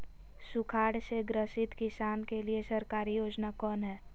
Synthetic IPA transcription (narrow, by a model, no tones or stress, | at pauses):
sʊkʰaːɽseɡɾəʃɪt̪kɪsaːnkeliesəɾkaːɾijoːd͡ʒnakɔːnɦɛː